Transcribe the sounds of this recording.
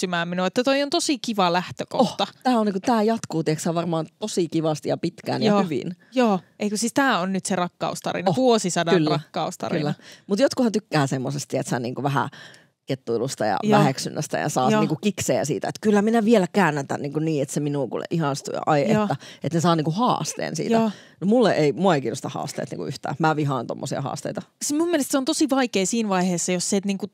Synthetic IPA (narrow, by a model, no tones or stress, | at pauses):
ymæːminuet̪ːæt̪oiont̪osikiʋɑlæht̪øko̰oht̪ɑt̪æːoniŋkut̪æːjɑt̪kuːt̪ieksæːʋɑrmɑːnt̪osikiʋɑst̪ijɑpit̪kæ̰ːnːhyʋḭnjoːʔeikøsiːst̪æːonnyt̪serɑkːɑ̰ust̪ɑ̰ɾḭnɑoʋuosisɑdɑkylrɑkːɑust̪ɑ̰rilːæɑmut̪jot̪kuhɑnt̪ykːæːsemːosest̪iḛt̪sæ̰nḭːŋkuʋæɦæ̰ | ket̪ːuilust̪ɑjɑ̰ʋæheksynːæst̪æ̰jɑ̰sɑːniːkukikseːæsḭːt̪æ̰et̪kylːæminæʋielækæːnːet̪æ̰nniːŋkunniːet̪seminuːkṵlḛʔihɑnst̪ṵjɑ̰ʔɑiʔeːæet̪nesɑːniːŋkuhɑ̰ːst̪ḛːnsḭːt̪ænomulːeʔeimuɑeikiːnost̪ɑhɑ̰ːst̪ḛːt̪nḭŋkuʔyht̪æ̰ːmæʋiɦɑːnt̪o̰mːosiɑ̰hɑ̰ːst̪ḛit̪ɑsimumːielest̪seont̪osiʋɑikeːsiːnʋɑiheːsːɑjosset̪niːŋku